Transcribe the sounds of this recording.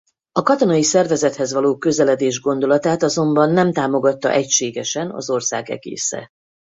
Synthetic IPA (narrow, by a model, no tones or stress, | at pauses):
ɒkɒt̪o̞nɒjisɛrvɛzɛt̪hɛzʋɒloːkø̞zɛlɛd̪eːʒɡo̞n̪d̪o̞lɒt̪aːt̪ɒzo̞mbɒnːɛmt̪aːmo̞ɡɒt̪ːɒ̰ʔɛcʃeːɡɛʃɛnɒ̰zo̞rsa̰ːɡɛ̰ɡḛːsɛ̰